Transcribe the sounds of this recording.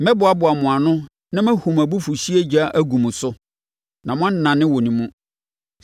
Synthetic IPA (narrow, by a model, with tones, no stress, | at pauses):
mɛ̃˦bʊ˨a˨bʊ˨a˨mʊ̃˨a˨nʊ̃˦ | nã˦mæ̃˦hu˨mæ˨bu˦fu˨ɕi˦e˦d͡ʑa˦ʔæ˦ɡũ˨mũ˨sʊ˦ | nã˨mʊ̃˦a˦n˦nã˨nɪ̃˦wo˨nĩ˨mũ˦